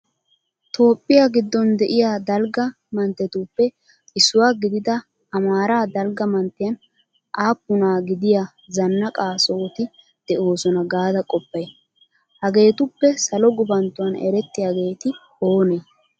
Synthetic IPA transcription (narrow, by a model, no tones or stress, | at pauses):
t̪o̞ːpʼːɪjaɡɪd̪ːɔnd̪ɛʔɪjaːd̪ɐlɡɐ | mɐnt̪ːɛt̪uːpːɛ | ɪsːʊwaːɡɪd̪ɪd̪ɐ | ɐmaːɾaːd̪ɐlɡɐmɐnt̪ːɪjɐn | ʔaːpːʊnaːɡɪd̪ɪja | zɐnːɐkʼaːso̞ːt̪ɪ | d̪̥ɛʔo̞ːsɔnɐɡaːd̪ɐkʼɔpːɐj | hɐɡe̞ːt̪ʊpːɛsɐlɔɡʊbɐnt̪ːʊwɐnɛ̰ɾɛt̪ːɪjaɡe̞ːt̪ɪ | o̞ːneː